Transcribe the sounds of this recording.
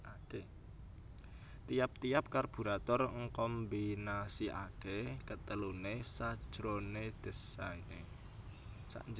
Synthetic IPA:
ake | t̪ijap̚t̪ijap̚karb̥ṳɾat̪ɔrŋkɔmbinasiʔa̰kekət̪əlunesad̥ʒ̥ɾoned̪̥ə̤saine | sa̰ʔɲd͡ʒ

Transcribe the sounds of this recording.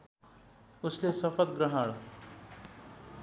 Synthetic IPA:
uslesəfət̪̚ɡɾəɦaɭo

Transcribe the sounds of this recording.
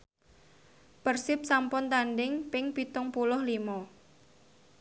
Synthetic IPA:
pərsɪp̚sampʊnt̪anɖɪŋpɪŋpit̪ʊŋpulʊhlimɔ

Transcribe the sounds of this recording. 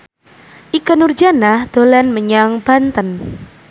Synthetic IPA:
ʔikənurd͡ʒanahd̪̥o̤lɛnməɲaŋb̥ant̪ən

